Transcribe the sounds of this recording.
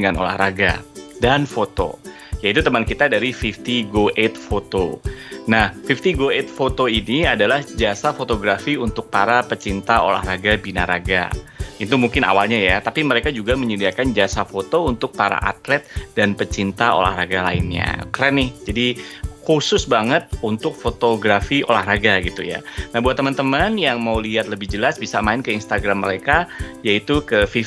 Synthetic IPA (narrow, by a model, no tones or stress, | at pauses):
əŋano̰la̰hɾaɡa̰danfot̪o̰ | jait̪ut̪əmankit̪adaɾifift̪iɡoʔet̪̚fot̪onahfift̪iɡoet̪̚fot̪oiniadalahd͡ʒasafot̪oɡɾafiunt̪ʊk̚paɾapət͡ʃint̪ao̰la̰hɾaɡabinaɾaɡa̰it̪umuŋkɪna̰walɲajat̪apiməɾekad͡ʒuɡaməɲədiakand͡ʒasafot̪ount̪ʊk̚paɾa̰ʔa̰t̪lɛt̪̚danpət͡ʃint̪ao̰la̰hɾaɡala̰ɪnɲa̰kəɾanɪhd͡ʒadikusʊsbaŋət̪̚unt̪ʊk̚fot̪oɡɾafio̰lahɾaɡaɡit̪uja̰nahbuat̪ːəmant̪əmanjaŋmauliɦat̪̚ləbɪhd͡ʒəlasbisamaɪnkəinst̪aɡɾamːəɾekajait̪ukəfi